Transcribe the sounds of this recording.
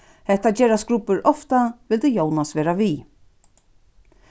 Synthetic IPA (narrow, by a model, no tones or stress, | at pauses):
hɛt̪ːad͡ʒɛːɾasɡɾʊpːʏɾʔɔft̪aʋɪlt̪ɪjownasʋɛːɾaʋi